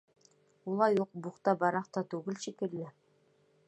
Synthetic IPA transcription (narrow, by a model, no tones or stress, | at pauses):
ulˠɑjuq̚buqt̪ɑbɑɾɑqt̪ɑt̪ʉɡɘlʃikɘ̆lːɘ